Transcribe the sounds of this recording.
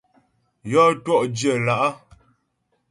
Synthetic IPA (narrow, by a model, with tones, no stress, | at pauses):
jɔ˦twɔ˦˨ʔdjə˦˨la˨ʔa˦